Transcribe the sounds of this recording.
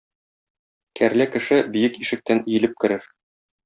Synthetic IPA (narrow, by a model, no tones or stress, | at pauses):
kʰæɾlækɘ̆ʃɘbijɘkiʃɘ̆k̚t̪ænĭjɘ̆lɘp̚kɘ̆ɾɘɾ